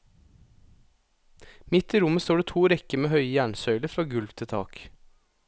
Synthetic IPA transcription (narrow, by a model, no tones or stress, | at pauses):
mɪt̪iːɾʊməst̪oːɖeːt̪ʰuːɾɛkəmeːhœʏjæːɳsœʏləfɾɑːɡʉlʋt̪ʰɪt̪ʰɑ̰ːk